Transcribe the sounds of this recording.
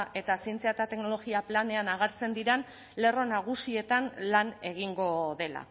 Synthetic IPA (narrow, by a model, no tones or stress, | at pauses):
ʔe̞t̪asient͡seat̪at̪e̞kno̞lo̞ɣiaplane̞anaɣaɾt͡se̞nd̪iɾen | le̞ro̞naɣ̞usie̞t̪anlane̞ɣ̞iŋɡo̞ðe̞la̰